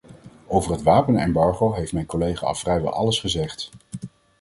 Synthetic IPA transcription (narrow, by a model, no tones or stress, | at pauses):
owvərɦətʋaːpənɛmbɑɹχowɦejftmɛjnkolejχa̰ɑ̰lˠfrɛjʋɛ̰lˠʔɑ̰ləsχəzɛχt